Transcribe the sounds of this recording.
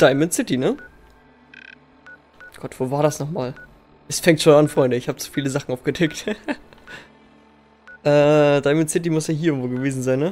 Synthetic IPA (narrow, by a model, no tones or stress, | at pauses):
d̥aɪmɛnsɪtinə | ɡ̥ɔtv̥oːvaːɐɾasnɔχmaːl | ʔɛsfɛŋtʃoːnanfʁ̥ɔʏndəɪçhaːbət͡su̥fiːləzaχn̩ʔaʊfɡ̥ədʰɛkt | ʔɛːd̥aɪmənsɪt̬imʊsjaːɦiɐɪɡŋ̩tv̥oːɡəveːzn̩zaɪnːə